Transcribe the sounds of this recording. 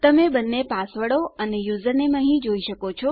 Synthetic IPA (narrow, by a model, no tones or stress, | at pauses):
t̪əmebənːepasʋəɽoənejuzənemãɦĩd͡ʒoiʃəkot͡ʃʰo